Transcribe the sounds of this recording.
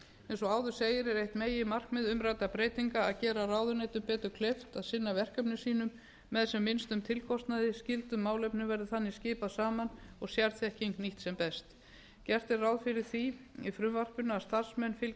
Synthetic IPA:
ɛnsɔaːwðʏ̥seːjɪɾɛɾejht̪meːjɪmar̥kmɛðʏmɾaːjt̪apɾeːjt̪iŋkaːðcɛːɾaraːwðʏnet̪ʏmpɛːt̪ʏɾkʰleft̪aðsɪnːavɛr̥kœpnɪsiːnʏmː | ɛðsɛmːɪnst̪ʏmt̪ʰɪlkʰɔst̪naðɪscɪlt̪ʏmːaːwlejpnɪvɛɾðɪθanːɪscɪːpaðsaːmanɔɣsjaɾθɛhcʰɪŋkniht̪sɛmpɛst̪ | cɛr̥t̪ɪrawðfɪɾɪɾ̥θiifɾʏmvar̥pʏnaaðst̪aɾ̥smɛnfɪl

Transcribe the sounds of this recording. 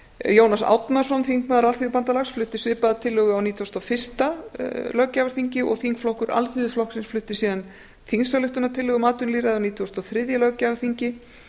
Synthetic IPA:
joːwnasa̰wt̪nḁsɔnθiŋkmaːðɾalθiðʏpant̪alaxsflʏht̪ɪsvɪːpaðat̪ʰɪlːʏɣʏawniːt̪ʰːɔst̪ɔfɪr̥st̪alœcːavaɾ̥θiɲcɪʔɔ̰ɣθiŋkflɔhkʏɾʔa̰lθiðʏflɔhksɪnsflʏht̪ɪsiːðan | θiŋsalʏht̪ʏnat̪ʰɪlːʏɣʏmaːt̪ʏnliːɾaðawniːt̪ʰiɔst̪ɔθɾɪðjalœcavaɾ̥θiɲcɪ

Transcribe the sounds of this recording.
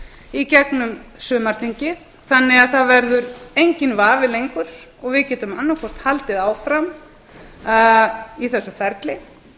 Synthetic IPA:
icɛknʏmsʏːmaɾ̥θiɲcɪð | θanːɪɣaðθaðvɛɾðʏɾejɲcɪnvaːvɪlejŋkʏɾ̥ | ɔɣvɪðcɛːt̪ʏmanːakʰɔr̥t̪halt̪ɪðaːwfɾam | iθɛsːʏfɛɾt̪lɪ

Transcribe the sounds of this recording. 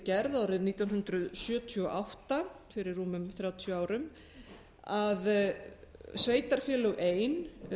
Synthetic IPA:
cɛɾðawɾɪðniːt̪awnɦʏnt̪ɾʏðsjœːt̪ʰiɔʔawht̪a | fɪɾɪrːuːmʏmθɾjaːwt̪ʰjʏaːwɾʏm | að | sveːjt̪aɾ̥fjɛːlœɣʔeːjn

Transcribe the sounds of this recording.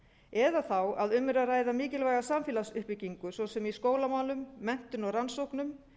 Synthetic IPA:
ɛðaθawaðʏmːɪɾaraːjðamiːcɪlvajɣasamfɪːlasʏhpɪciŋkʏsɔsɛmiskoːwlamaːwlʏmːɛn̥t̪ʏnɔɣransowhknʏm

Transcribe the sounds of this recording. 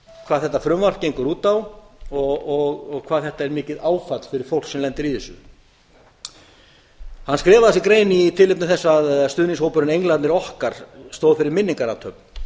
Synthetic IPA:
kʰvaːðθɛht̪ːafɾʏmvar̥cːejŋkʏɾuːt̪awɔɣɔɣɔɣkʰvaːðθɛht̪aɛɾmɪːcɪðaːwfat̪lfɪɾɪɾ̥fowl̥ksɛmlɛnt̪ɪɾiðɛsːʏ | hanːskɾɛːvaðsikɾeːjnit̪ʰɪlɪp̚nʏθɛsːaðst̪ʏːnɪŋshowpʏɾʏnejŋlant̪nɪɾɔhkaɾ̥st̪oːwðfɪɾɪɾmɪnːiŋkaɾawt̪ʰœp̚n

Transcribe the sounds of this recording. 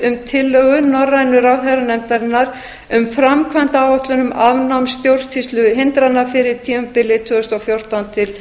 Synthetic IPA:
ʏmt̪ʰɪlːœɣʏnɔrːaɪnʏɾaːwɦɛðɾanɛmt̪aɾɪnːaɾ | ʏmfɾamkʰvant̪aawɔht̪lʏnʏmavnawmst̪jowr̥t̪ʰist̪lʏɦɪnt̪ɾanːafɪɾɪɾ̥t̪ʰiːɛmpɪlɪt̪ʰvʏːðʏst̪ɔfjowr̥t̪awnt̪ʰɪl

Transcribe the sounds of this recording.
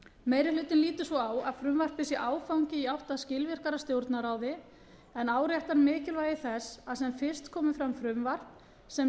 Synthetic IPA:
meːjɾɪlʏːt̪ɪnliːt̪ʏsvɔaːwaðfɾʏmvar̥pɪsjɛʔaːwfawŋcɪiawht̪aðscɪlvɪr̥kaɾast̪jowɾt̪naɾaːwðɪ | ɛnaːwɾjaɛht̪anmɪːcɪlvaːjðɪθɛsaðsɛmfɪr̥st̪kʰɔːmʏfɾamfɾʏmvar̥p | sɛ

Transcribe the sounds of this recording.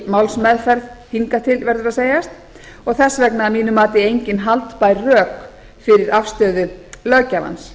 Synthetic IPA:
mawlsmɛðfɛɾðhiŋkat̪ʰɪlvɛɾðʏɾaðseːjast̪ | ɔɣθɛsːvɛknaamiːnʏmaːt̪ɪejɲcɪnɦalt̪pajɾrœːk | fɪɾɪɾafst̪œːðʏlœːcava̰ns

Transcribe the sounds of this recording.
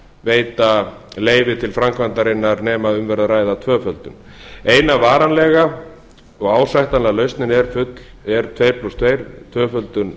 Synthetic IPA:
veːjt̪aleːjvɪt̪ʰɪlfɾamkvant̪aɾejnːaɾnɛːmaʏmvɛɾðaɾaːjðat̪ʰvœːfœlt̪ʏn | eːjnavaːɾanlɛɣa | ɔɣaːwsajht̪anlalœɥst̪nɪnɛɾfʏt̪l̥ | ɛɾ̥t̪ʰveːjɾpʰlust̪ʰveːjɾt̪ʰvœːfœlt̪ʏn

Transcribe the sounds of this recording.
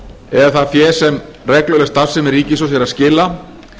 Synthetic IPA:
ɛðaθaðfjɛːsɛm | rɛklœlɛst̪θasɛmɛɾriːcɪsɔjɛɾaðscɪːlːa

